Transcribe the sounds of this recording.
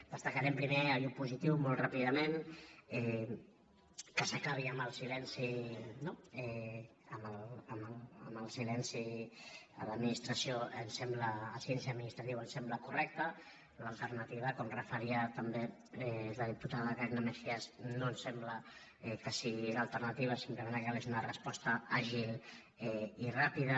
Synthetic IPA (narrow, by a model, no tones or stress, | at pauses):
d̪̥əst̪əkaɾɛmpɾimeajupuzit̪iwmolt̪rapiðəmenɛ | kəsəkaβiəməlˠsilɛnsinoɛ | əmələmələ̰məlˠsilɛnsi | ə̰ləminist̪ɾəsioənsɛmbləːsiɛnsiəd̪minist̪ɾat̪iwənsɛmbləkurɛk̚t̪ə | ləlˠt̪əɾnət̪iβ̞əkonrəfəɾiət̪əmbe | ɛləðiput̪aðɣɾɛɣnameɾsiaznonsɛmblə | ɛkəsiɣiləlˠt̪əɾnət̪iβəsimpləmẽnakɛlezunərəspɔst̪əaʒil | ɛirapiðə